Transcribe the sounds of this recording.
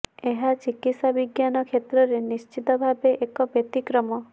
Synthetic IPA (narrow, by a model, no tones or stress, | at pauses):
eɦat͡ʃikit̪sabiɡjanɔkʰet̪ɾɔɾenist͡ʃit̪ɔbʱabeʔekɔbet̪ikɾɔmɔ